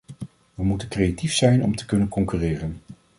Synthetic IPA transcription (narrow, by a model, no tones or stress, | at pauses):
ʋəmutənkrejatifsɛjnɔmtə̥kɵnənkɔŋkyːrɪːrən